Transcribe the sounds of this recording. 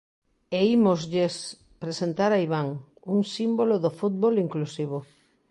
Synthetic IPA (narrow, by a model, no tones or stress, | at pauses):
eimozʎes | pɾesent̪aɾaiβaŋ | uŋsimboloðofut̪̚βoliŋklusiβ̞o